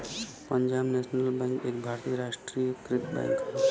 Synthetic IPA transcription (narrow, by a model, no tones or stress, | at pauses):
pəɲd͡ʒaːbnɛːsnəlbɛ̃ːŋkeːkbʱaːɾt̪ijəɾaːʂʈɾijəkɾɪtbɛ̰̃ːŋk